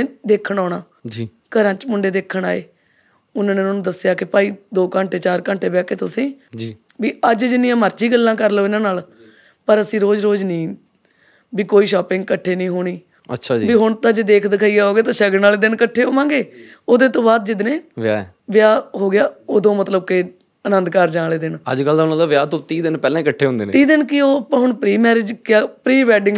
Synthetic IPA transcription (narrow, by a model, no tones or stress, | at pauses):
eːd̪eːkʰəɳaːɽaː | d͡ʒ | kəɾãːt͡ʃmʊɳɖeːd̪eːkʰːəɳaːḛː | ʊnãːneːnːnũːd̪əsjaːkɪpaːiːd̪oːkãːɳʈeːt͡ʃaːɾkãːɳʈʰeːʋɪjaːkeːt̪ʊsẽːd͡ʒ | ʋiːəd͡ʒd͡ʒɪnːijãːməɾt͡ʃiːɡəlːãːkəɾloːɪnãːnaːl | pəɾəsĩːɾoːd͡ʒɾoːd͡ʒnĩː | biːkoːiːʃɔːpɪ̃ŋɡ̚kəʈʰːeːnĩːɦoːɽiː | ə̰tːʃʰaːd͡ʒbiːɦʊɳt̪ãːd͡ʒeːd̪eːkʰd̪ɪkʰaːiːaːɦoːɡeːt̪ãːʃəɡnaːleːd̪ɪnkəʈʰːeːɦoːmãːŋɡeː | oːd̪eːt̪õːbaːd̪̚d͡ʒɪd̪nẽːʋɪja̰ːɛ | ʋɪjaːɦoːɡɪjaːoːd̪õːmət̪ləb̚kɪ | ənə̃nd̪kəɾd͡ʒãːleːd̪ɪnə̰d͡ʒɡəld̪aonãːd̪aːʋɪjaːt̪õːt̪iːd̪ɪnpɛːlãːikəʈʰːeːɦõnd̪eːn̰ːt̪iːd̪ɪnkɪoːpãːɦʊɳpɾiːmɛːɾed͡ʒkɪaːpɾiːʋɛːɖɪ̃ŋɡ